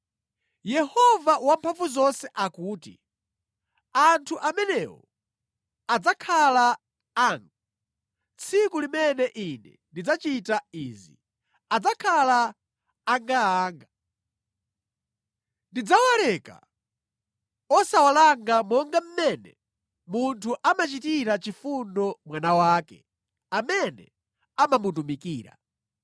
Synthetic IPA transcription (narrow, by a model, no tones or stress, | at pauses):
jɛhɔvawampʰaɱvuzɔnsɛʔakuːti | antʰuʔamɛnɛwɔ̰ | ad͡zakʰala | aŋɡa | t͡sʰikulimɛnɛʔinɛ̰ndid͡zat͡ʃitaizḭ | ad͡zakʰalaː | ŋɡaaːŋɡa | ndid͡zawalɛka̰ | ɔsawalaŋɡamɔŋɡam̩mɛnɛ̰ | muntʰuʔamat͡ʃitiɾat͡ʃifundɔmwanawaːkɛ | amɛnɛ̰ | amamutumikiːɾa̰